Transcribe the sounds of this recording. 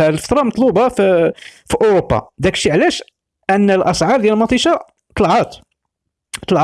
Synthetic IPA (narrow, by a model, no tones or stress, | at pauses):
æəlfə̥t̪ɾˤɑmɑt̪ˤlubɑffiʔʊɾopːɑ̰d̪ækʃiʕlæʃ | ʔənːəlʔɑsʕɑɾˤd̪jælmɑt̪ˤiʃɑ | t̪ˤəlʕɑt̪ | t̪ˤəlʕ